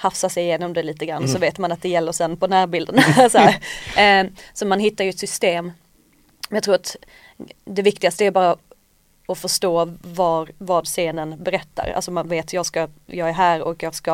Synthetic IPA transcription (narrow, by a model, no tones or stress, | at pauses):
hafsasɛjɪjeːnɔmd̪ɛliːt̪əɡɾanːɔsɔveːt̪manat̪̚d̪ɛjɛlːəɾsɛnːpʰɔnæːɾbɪld̪ənsɔhæːɾ | sɔmanɦɪt̪ːaɾjɵɛt̪sʏst̪eːm | mɛnjɑkt̪ʰɾuːɾat̪ | d̪ɛvɪkt̪ɪɡast̪əæɾbɑːɾa | ɔfœʂʈoːvɑːɾvɑːd̪seːnənbɛɾɛt̪ːa̰ɾa̰lsɔmanveːt̪ʰjɑːɡskajɑːɡæɾɦæːɾɔ̰kjɑːɡska